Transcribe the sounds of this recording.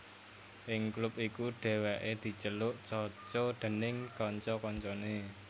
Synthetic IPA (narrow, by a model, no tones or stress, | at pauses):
ʔɪŋklʊpikuɖ̥e̤wɛʔed̪̥i̤t͡ʃəlʊʔt͡ʃɔt͡ʃɔɖ̪̥ə̤nɪŋkɔɲt͡ʃɔkɔɲt͡ʃɔne